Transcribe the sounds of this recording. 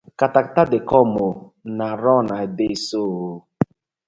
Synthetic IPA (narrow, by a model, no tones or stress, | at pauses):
kataktadekɔmonaɾɔnaebesoɦo